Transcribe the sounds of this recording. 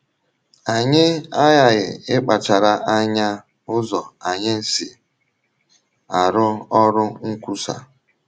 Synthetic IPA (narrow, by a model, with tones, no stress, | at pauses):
a˨ɲɪ˦a˦ja˦ɣɪ̰˨ɪ˦k͡pa˨t͡ʃa˨ɾa˨ʔa˦ɲa˦ | ʊ˦zɔ˨a˨ɲɪ˦n̩˦si˨ | a˨ɾʊ˦ɔ˦ɾʊ˦ŋ̩˦kʷu˦sa̰˨